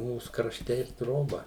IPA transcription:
ˈmuːs krɐʃʲˈtʲɛ ɪr ˈtroːbɐ

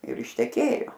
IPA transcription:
ɪr ɪʃʲtʲɛˈkʲeːjoː

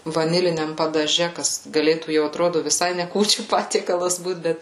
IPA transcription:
ʋɐˈnʲɪlʲɪnʲɛm pɐdɐˈʒʲɛ ˈkɐs ɡɐˈlʲeːtuː jɛʊ ɐtˈroːdʊ ʋʲɪˈsɐɪ nʲɛ ˈkuːt͡ʃʲuː ˈpɑːtʲiɛkɐlˠɐs ˈbuːt ˈbʲɛt

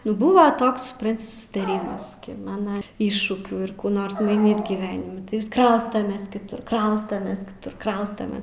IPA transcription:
ˈnʊ ˈbʊʋɐ ˈtoːks sʊpˈrɐnʲtʲɪ sʊsʲɪtɐˈrʲiːmɐs ˈkʲɪ ˈmɑːnɐ ˈɪʃʃuːkʲuː ɪr ˈkuː ˈnoːrs mɐɪˈnʲiːt ɡʲiːˈʋʲæːnʲɪmʲɪ tɐɪ ʋʲɪs ˈkrɐʊstɐmʲɛs kʲɪˈtʊr ˈkrɐʊstɐmʲɛs kʲɪˈtʊr ˈkrɐʊstɐmʲeːs

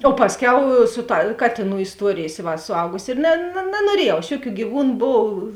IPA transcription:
oː ˈpɑːsʲˌkʲɛʊ ˈsʊ ˌtɐ ˈkɑːtʲeːˌnuː ɪsˈtuɔrʲeːjeːs ˈɪ ʋɐ sʊˈɐʊɡʊsʲɪ ɪr nɐ nɐ nɐnuɔˈrʲiɛjɛʊ ɐʃ ˈjʊˌkʲuː ɡʲiːˈʋuːnʊ ˈboːw

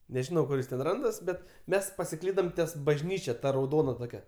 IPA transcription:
nʲɛˈʒʲɪnɐʊ ˈkʊr jɪs tʲɛn ˈrɐndɐs ˈbʲɛt ˈmʲɛs pɐsʲɪˈklʲiːdɐm tʲiɛs bɐʒʲˈnʲiːt͡ʃʲɛ ˈtɐ rɐʊˈdoːnɐ ˈtoːkʲɛ

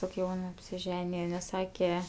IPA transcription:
toːkʲ ˈjɛʊn ɐpʲsʲɪˈʒʲæːnʲɪjɛ nʲɛs ˈsɑːkʲɛ

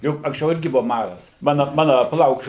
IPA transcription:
ˈjʊk ɐŋksʲˈt͡ʃʲɛʊ ˈɪrʲɡʲɪ bʊʋɐ ˈmɑːrɐs ˈmɑːnɐ ˈmɑːnɐ pɐˈlˠɐʊk

